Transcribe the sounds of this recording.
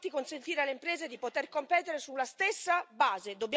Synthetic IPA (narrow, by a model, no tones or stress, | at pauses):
t̪ikonsent̪iːɾealeimpɾeːzed̪ipot̪erkompɛːt̪eɾesulːast̪esːabaːzed̪obːj